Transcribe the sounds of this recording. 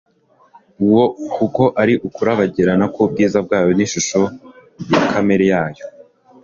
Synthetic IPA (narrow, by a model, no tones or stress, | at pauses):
uwo̞kuko̞ʔaɾiʔukuɾaβaɟiɾanakub̚ɡiːzab̚ɡaːjo̞niʃuʃo̞jakʰame̞ɾejaːjo̞